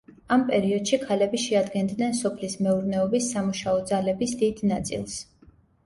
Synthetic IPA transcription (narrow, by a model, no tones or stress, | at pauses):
ampʼɛɾiɔd̪̥ʃikʰalɛbiʃɛad̪ɡɛnd̪nɛnsɔpʰlismɛuɾnɛɔbisːamuʃaɔd̪zalɛbisd̪id̪nat̪sʼḭlˠs